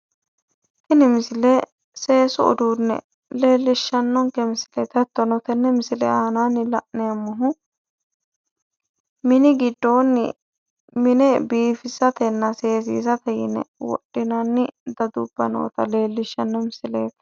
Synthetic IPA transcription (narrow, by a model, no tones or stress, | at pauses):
t̪ɪnɪmɪsɪlɛ | se̞ːsʊɔ̰d̪uːnːɛ̰ | le̞ːlːɪʃːɐnːɔŋkɛmɪsɪlɛt̪ɛt̪ːɔnɔt̪ɛnːɛmɪsɪlɛ̰aːnaːnɪlɐʔnɛɐmːɔɦʊ | mɪnɪɡɪd̪ːo̞ːnːɪ | mɪnɛbiːfɪsɐt̪ɛnːɐse̞ːs̬ḭːsɐt̪ɛjɪ̰nɛ̰wɔ̰ɗːɪnɐnːɪd̪ɐd̪ub̥ːɐ̰no̰ːt̪ɐle̞ːlːɪʃːɐnːɔmɪsɪlḛːtɛ̥